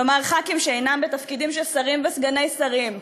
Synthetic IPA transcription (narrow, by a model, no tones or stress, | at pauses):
lomaʁχakimʃeejnambet̪afkid̪imʃelsaʁimvesɡanejsaʁim